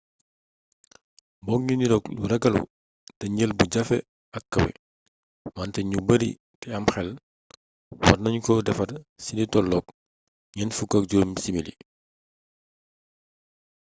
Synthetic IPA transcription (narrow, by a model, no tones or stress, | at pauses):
bɔŋɲiniɾɔkluɾɐɡɐlṵ | tɐɲəlbuɟɐfɛ̰ | ɐkːɐwɛ̰ | mantɛɲubɐɾḭ | tɛɐmxɛl | wɐtnɐɲkɔdɛfɐrsinitɔlːɔk̚ | ɲɛnfukːɐk̚ɟuɾmsimilḭ